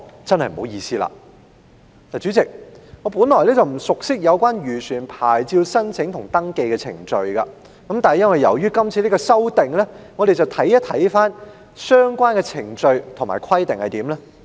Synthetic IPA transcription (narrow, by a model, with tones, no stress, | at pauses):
t͡sɐ˥nhɐ˨jm̩˨o˨˥wjiː˧siː˥la̰ː˨˩ | laː˨˩t͡ʃy˨˥t͡sɪ˨k̚ŋɔː˨˧pu˨˥nlɔː˨˩jlɛː˥t͡sɐ˨wm̩˨˩sʊ˨k̚sɪ˥k̚jɐ˨˧wkwaː˥njyː˨˩sʰyː˨˩npʰaː˨˩jt͡siː˧wsɐ˥nt͡sʰɪ˨˥ŋt̪ʰʊ˨˩ŋt̪ɐ˥ŋke˧jkɛ˧t͡sʰɪ̰˨˩ŋt͡ʃɵ˧ɥkɐ˧ | kɐ˨˥mt̪a˨nhjɐ˥nwɐ˨jɐ̰˨˩wjyː˥kɐ˥mt͡sʰiː˧li˥kɔː˧sɐ˥wt̪ɪ˨ŋlɛ˥ŋɔ˨˧e˨jt͡sɐ˨wt̪ʰɐ˨˥jɐ˥t̪ʰːɐ˨˥jfaː˥n | sœː˥ŋkʷwaː˥nkɛ˧t͡sʰɪ˨˩ŋt͡ʃɵ˧ɥt̪ʰʊ˨˩ma̰ː˨˩jkʰɐ˥jt̪ɪ˨ŋhɐ˨jt̪iː˨˥mlɛ˥